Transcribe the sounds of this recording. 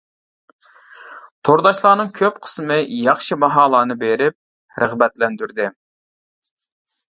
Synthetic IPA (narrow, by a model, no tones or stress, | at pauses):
t̪ʰoɾd̪ɑʃlˠɑːnɨŋkʲʰøpqʰə̥smɨjɑχʃimɑɦɑːlˠɑːnɨbeɾɪp̚ | ɾʔəʁbɛt̪lɛnd̪yɾd̪ɪ